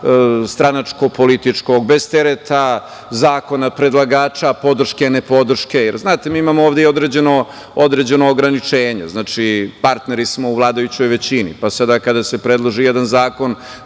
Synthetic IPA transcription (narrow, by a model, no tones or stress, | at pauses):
st̪ɾanat͡ʂko̞polit̪it͡ʂko̞ɡbe̞zt̪eɾet̪a | zaːko̞napɾe̞d̪lˠaɡaːt͡ʃapo̞d̪r̩ʃkenepo̞d̪r̩ʃke̞jeɾznaːt̪emiːimamooːʋd̪eiod̪ɾed͡ʑe̞no̞ | od̪ɾed͡ʑe̞noːɡɾanit͡ʂeːɲḛznaːt͡ʂipaɾt̪neɾismo̞uʋlˠaːd̪ajut͡ɕo̞jʋe̞t͡ɕinḭpasad̪akad̪ase̞pɾe̞d̪lˠoʒijed̪anzaːko̞n